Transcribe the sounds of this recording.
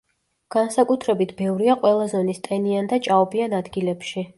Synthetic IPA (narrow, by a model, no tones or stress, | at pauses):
ɡ̥ansakʼut̪ʰɾɛbit̪ʰbɛvɾiaqʼwɛlˠazɔnist̪ʼɛniand̪at͡ʃʼaɔbianad̪ɡilɛpʃi